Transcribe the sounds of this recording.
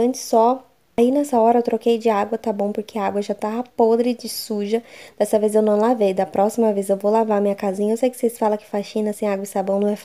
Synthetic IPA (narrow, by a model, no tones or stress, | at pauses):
ɐ̃t͡ʃɪ̥sɔ | ainɛsɐɔɾɐewt̪ɾokejd͡ʒɪaɡwɐt̪abõw̃poɾkʰeɐaɡwɐʒat̪aɐpod̪ɾɪd͡ʒɪsuʒɐd̪̥ɛst̪ɐvezewnɐ̃w̃lavejd̪ɐpɾɔsimɐvezewvowlavaɐmĩɲɐkazĩɲɐewsejkɪ̥sesɪ̥falɐkɪ̥faʃĩnɐsẽj̃aɡwɐɪst̪abõw̃nɐ̃w̃ɛf